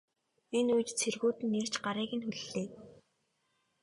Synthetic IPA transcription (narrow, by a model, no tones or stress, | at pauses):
enujt͡ɕt͡sʰerɣuːt̪ɘ̆nːer̥t͡ɕɢaɾiːɣɘ̆nxuɮːeː